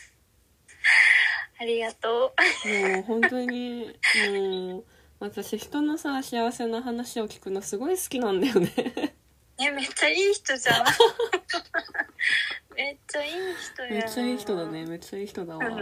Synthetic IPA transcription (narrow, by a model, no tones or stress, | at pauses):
aɾʲiɡat̪oːoɦõ̞nt̪o̞ɲ̟imo | βat̪aɕiçi̥t̪o̞nosaːɕiaβase̞naɦanaɕio̞kʲi̥kɯ̟nosɨɡo̞isɨ̥kʲinãnd̪ajo̞ne̞ | nemet͡ɕːaiːçi̥t̪o̞d͡ʑa | met͡ɕːaiːçi̥t̪ome̞t͡ɕːaiːçi̥t̪o̞d̪ane̞me̞t͡ɕːaiːçi̥t̪o̞d̪aβ